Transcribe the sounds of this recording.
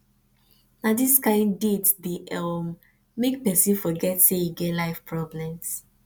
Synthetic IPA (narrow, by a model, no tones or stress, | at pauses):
nadiskãɪ̃ndidbiɔm | mek̚pɛsĩnfɔɡɛtseiɡɛlaɪfpɹɔblɛ̃ms